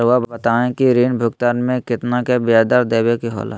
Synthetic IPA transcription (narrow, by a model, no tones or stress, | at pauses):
ɾʋabət̪aːẽkiɾiːnbʱʊɡt̪aːnmẽkɪt̪nakebɪjaːd̪aɾd̪eːbekiɦo̰ːla̰